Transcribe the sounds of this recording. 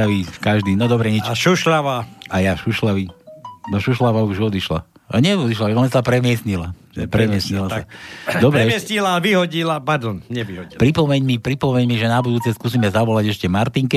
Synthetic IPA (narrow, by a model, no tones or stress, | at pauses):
aʋikaʒd̪iːnɔd̪ɔbɾɛɲit͡ʃʃuʃlaʋaajaʃuʃlaʋinɔʃuʃlaʋauʒɔd̪iʃla̰ | a̰ɲɪɛɔd̪iʃlaɛɔnasapɾɛmɪɛsɲila | ɛpɾɛmɪɛsɲilasad̪ɔbɾɛɛsɲilaʋiɦɔɟilapaɾd̪ɔnɲɛʋiɦɔpɾipɔmɛɲmipɾipɔmɛɲmiʒɛnabud̪uːt͡sɛskus̬imɛzaʋɔlaɟɛʃcɛmaɾt̪iŋkɛ